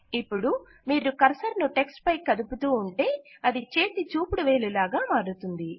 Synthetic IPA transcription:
ipːuɽu | miːɾukɐɾsɐɾnuʈeksʈpɐjkɐd̪uput̪uːɳʈe̞ːɐd̪it͡ʃe̞ːt̪it͡ʃuːpuɽuʋe̞ːlulaːɡaːmaːɾut̪und̪i

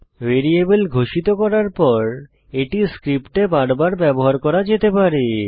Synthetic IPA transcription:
ʋeɾiebelɡʱoʃit̪okɔɾaɾpɔɾ | eʈiskɾipʈebaɽbaɾbɛboɦaɾkɔɾad͡ʑet̪epaɾe

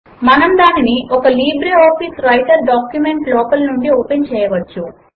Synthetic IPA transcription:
mɐnɐmd̪aːniniʔɔkɐliːbɾeɔːpisɾɐjʈɐɾɖaːkjumeɳʈlɔːkɐlnuɳɖioːpent͡ʃɛːjɐʋɐt͡ʃːu

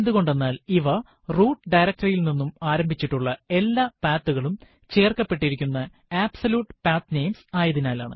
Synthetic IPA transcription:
end̪uɣo̞ɳɖe̞nːaːliʋɐ | ruːʈːɖɐjɾɐk̚ʈɐrilninːumaːɾɐmbʱit͡ɕːiʈːuɭːɐe̞lːaːpaːt̪ːuɣɐɭum | t͡ɕe̞ːrkɐpːe̞ʈːiɾikʲːunːɐ | aːbsɐluːʈːɨpaːt̪ne̞jmsaːjɐðinaːlaːɳɨ̰

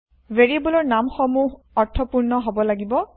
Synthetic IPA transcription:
veɹibulɔɹnamxɔmuɦ | ɔɹtʰɔpuɹnɔɦobɔlaɡibɔ

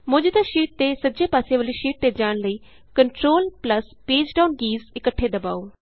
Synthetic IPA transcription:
mʊd͡ʒd̪aːʃiːʈ̚t̪eːsəd͡ʒeːpaːseːʋəliːʃiːʈ̚t̪eːd͡ʒaːɳləiː | kəɳʈɾoːlpləspeːd͡ʒɖaːʊnɡiːzɪkəʈʰːeːd̪əba̰ːoː

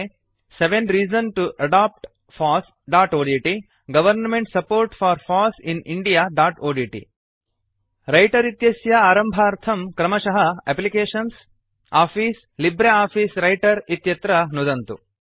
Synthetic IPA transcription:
seʋẽnɾiːd͡ʒɐnʈuʔɐɖaːp̚ʈ | fʰaːs | ɖaːʈoːɖiʈi | ɡɐʋɐɾnmẽɳʈsɐpoːɾʈfʰaːɾfʰaːsiniɳɖijaːɖaːʈoːɖiʈḭ | ɾɐjʈɐɾit̪jɐsjɐaːɾɐmbʱaːɾt̪ʰɐmkɾɐmɐʃɐɦɐeplikeːʃɐns | aːpʰiːs | libɾeaːpʰiːsɾɐjʈɐɾit̪jɐt̪ɾɐnud̪ɐnt̪u

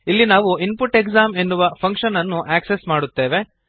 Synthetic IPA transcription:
ilːinaːʋuinpuʈeɡzaːme̞nːuʋɐpʰɐŋkʂɐnɐnːuʔæːksesmaːɽut̪ːe̞ːʋe̞

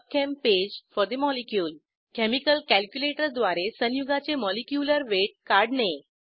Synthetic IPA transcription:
kʰemped͡ʑfɔɾd̪imɔlikjuːl | kɛmikəlkælkjuleʈəɾd̪ʋaɾesənjuɡat͡semɔlikjuləɾʋeʈ̚kaɾɖne

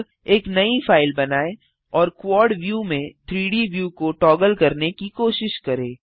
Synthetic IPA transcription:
eːknɐifaːɪlbɐnaːe | ɔːɾkwɔːɾɖʋjuːmẽt̪ʰɾiːɖiʋjuːkoʈɔːɡəlkɐɾnekikoːʃɪʃkɐɾeː

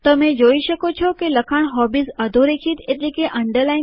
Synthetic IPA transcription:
t̪ɐmẽd͡ʑoːiʃəkot͡ʃʰokelɐkʰaɽ̃ɦɔːbisɐd̪ʱoɾeːkʰit̪et̪likeʔɐ̃ɳɖəɾlaːɪ

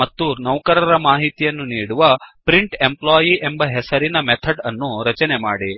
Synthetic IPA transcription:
mɐt̪ːunɐʋkɐɾɐɾɐmaːɦit̪ijɐnːuniːɽuʋɐpɾiɳʈe̞mplaːjiʔembɐɦesɐɾinɐmet̪ʰɐɖɐnːuɾɐt͡ʃɐnemaːɽi

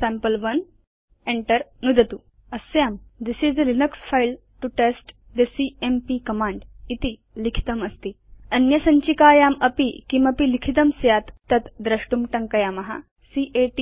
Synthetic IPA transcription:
sampəlʋɐn | eɳʈəɾnud̪ʱət̪u | ɐsjamd̪isizəɾinəksfajl | ʈuʈesʈ | d̪esiempikɐmãɳɖit̪i | likʰi̥t̪əmɐst̪iɐnjɐsɐɲt͡ɕikaːjamɐpikimɐpilikʰit̪əmsjat̪ːɐt̪d̪ɾɐʂʈumʈɐŋkɐjamɐɦa̰ | siʔeʈi

